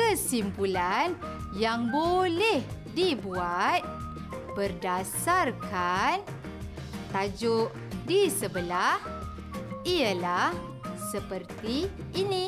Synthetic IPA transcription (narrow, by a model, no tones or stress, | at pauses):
kəsimpulanjaŋbolɛhdibuat̪̚ | b̥ərdasarkan | t̪ad͡ʒʊʔ | disəbəlah | iəlah | səpərt̪iː | ni